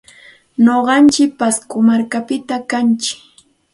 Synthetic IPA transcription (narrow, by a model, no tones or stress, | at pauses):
noɢɑnt͡ʃɪk̚paskʊmaɾkapɪt̪akant͡ʃɪ̥k